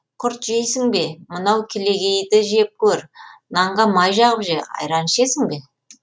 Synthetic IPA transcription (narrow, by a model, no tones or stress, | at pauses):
qʰʊɾt̪ʒejsɪŋbe̞mənɑwkʲʰele̞ɡʲe̞jd̪ɪʒe̞p̚kʲʰɵɾnɑɴʁɑmɑjʒɑʁəpʒeɑ̰jɾɑnʃe̞sɪŋbe̞